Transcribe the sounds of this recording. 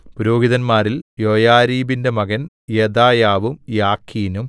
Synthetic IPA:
puɾoːɡiðɐnmaːɾiljojaːɾiːbindemɐɣɐn | jed̪aːjaːʋumjaːkʰːiːnum

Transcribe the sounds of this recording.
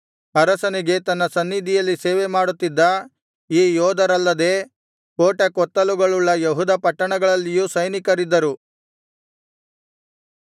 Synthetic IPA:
ɐɾɐsɐniɡe̞t̪ɐnːɐsɐnːid̪ʱijɐlːiseːʋemaːɽut̪ːid̪ːɐ | iːjɔːd̪ɐɾɐlːɐd̪e̞ː | koːʈɐkɔt̪ːɐluɡɐɭuɭːɐjɐɦud̪ɐpɐʈːɐɳɐɡɐɭɐlːijusɐjnikɐɾid̪ːɐɾu

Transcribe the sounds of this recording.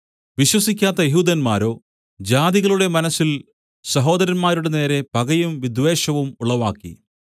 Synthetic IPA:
ʋiɕwɐsikʲːaːt̪ːɐjeɦuːd̪ɐnmaːɾo̞ː | d͡ʑaːd̪iɣɐɭuɽe̞mɐnɐsːil | sɐɦo̞ːd̪ɐɾɐnmaːɾuɽe̞ne̞ːɾe̞pɐɣɐjumʋid̪ʱʋe̞ːɕɐʋumuɭɐʋa̰ːkːḭ

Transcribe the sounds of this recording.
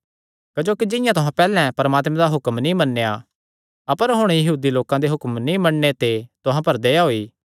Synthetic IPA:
kɐd͡ʒoːkid͡ʒɪ̃jãt̪ʊɦãpɛːlɛ̃pɐɾəmaːt̪mɛ̃d̪aɦʊkmnĩmɐnːeja | ɐpəɾɦʊɽ̃jɐɦuːd̪iloːkãd̪eɦʊkmnĩmɐɽnet̪et̪ʊɦãpɐɾd̪ejaɦoːiː

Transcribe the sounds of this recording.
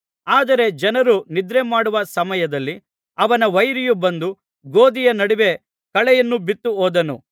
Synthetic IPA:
aːd̪ɐɾe̞d͡ʒɐnɐɾunid̪ɾemaːɽuʋɐsɐmɐjɐd̪ɐlːi | ɐʋɐnɐʋɐjɾijubɐnd̪u | ɡoːd̪ijɐnɐɽiʋe̞ | kɐɭɛjɐnːubit̪ːuɦoːd̪ɐnṵ

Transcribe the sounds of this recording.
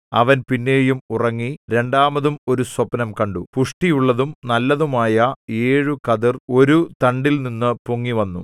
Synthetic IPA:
ɐ̰ʋɐnpinːe̞ːjumurɐŋːiɾe̞ɳɖaːmɐðumo̞ɾuswɐpɐnɐmkɐɳɖupuʂʈijuɭːɐðumnɐlːɐðumaːjɐeːɻukɐðiro̞ɾut̪ɐɳɖilninːɨpuŋːiʋɐnːṵ

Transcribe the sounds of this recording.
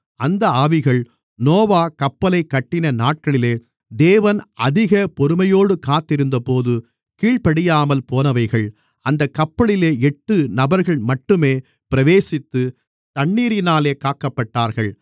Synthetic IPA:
ɐnd̪ɐaːʋɪɣɐɭ | noːʋaːkɐpːɐlɐɪkːɐʈːɪnɐnaːʈ̚kɐɭɪleː | d̪eːʋɐnʔɐðɪɣɐpɔɾɯmɐjoːɽɯkaːt̪ːɪɾɯnd̪ɐpoːðɯ | kiːɭpɐɽɪjaːmɐlpoːnɐʋɐɪɣɐɭ | ɐnd̪ɐkːɐpːɐɭɪleːɛʈːɯnɐbɐɾɣɐɭmɐʈːɯmeː | pɪɾɐʋeːsɪt̪ːɯ | t̪ɐɳːiːɾɪnaːleːkaːkɐpːɐʈːaːɾɣɐɭ

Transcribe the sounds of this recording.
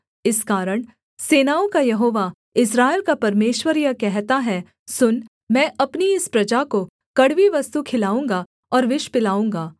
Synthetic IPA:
ɪskaːɾəɽ̃ | seːnaːõkajɐɦoːʋa | ɪs̬ɾaːeːlkapɐɾmeːʃwəɾjəkɛɦt̪aɦɛ | sʊn | mɛ̃ːʔɐpniɪspɾɐd͡ʒako | kɐɽʋiʋɐst̪ukʰɪlaːũːŋɡa | ɔːɾʋɪʃpɪlaːũːŋɡaː

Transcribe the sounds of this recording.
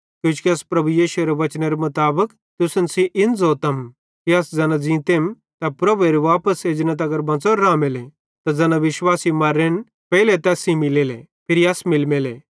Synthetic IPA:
kjũːt͡ʃkiɐspɾɐbujiːʃueɾeʋɐt͡ʃneɾemɐt̪aːbək | t̪ʊsənsiʔɪnd͡zoːt̪ɐm | kiasd͡zɐnad͡zĩːt̪em | t̪ɐpɾɐbueɾeʋaːpəsed͡ʒnɐt̪ɐɡɐɾbɐ̃t͡sɔɾːãːmele | t̪ɐd͡zɐnaʋɪʃʋaːsimaɾeñ | pɛɦɪlet̪ɛːsĩmɪleːlḛ | pʰɪɾijasmɪlmele

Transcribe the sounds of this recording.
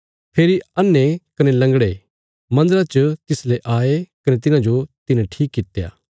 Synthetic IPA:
pʰeːɾiɐnːekɐnelɐ̃ŋɡɽe | mɐ̃nd̪əɾat͡ʃət̪ɪsleʔaːekɐnet̪̬ɪnãd͡ʒot̪ɪnẽʈʰiːkːɪt̪ja̰ː

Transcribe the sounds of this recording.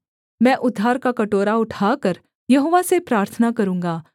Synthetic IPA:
mɛ̃ʔʊd̪ʱːaːɾkakɐʈoːɾaʊʈʰakəɾ | jɐɦoːʋasepɾaːɾt̪ʰənakɐɾũːŋ̆ɡaː

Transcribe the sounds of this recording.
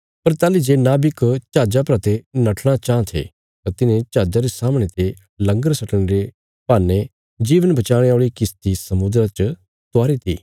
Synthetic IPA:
pɐɾt̪aːlid͡ʒenaːbikt͡ʃaːd͡ʒapɾaːt̪enɐʈʰɽ̃at͡ʃãːt̪ʰḛ | t̪at̪ɪnẽt͡ʃaːd͡ʒaɾesaːmɽ̃et̪e | lɐ̃ŋɡəɾsɐʈəɽ̃eɾe | paːnːe | d͡ʒiːʋənbɐt͡ʃaːɽ̃eoːɭikɪst̪isɐmʊd̪ɾat͡ʃə | t̪ʊaːɾit̪ʰḭː

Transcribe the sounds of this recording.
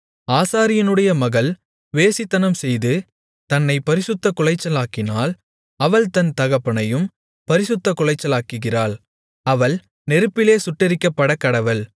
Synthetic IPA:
aːsaːɾɪjɐnɯɽɐjɐmɐɣɐl | ʋeːsɪt̪ːɐnɐmsɛjðɯ | t̪ɐnːɐɪpɐɾɪsɯt̪ːɐkʊlɐɪt͡ʃːɐlaːkɪnaːl | ɐʋɐɭt̪ɐnt̪ɐɣɐpːɐɳɐjɯm | pɐɾɪsɯt̪ːɐkʊɭɐɪt͡ʃːɐlaːkɯɣɪraːɭ | ɐʋɐɭ | nɛɾɯpːɪleːsʊʈːɪɾɪkːɐpːɐɽɐkːɐɽɐʋɐl

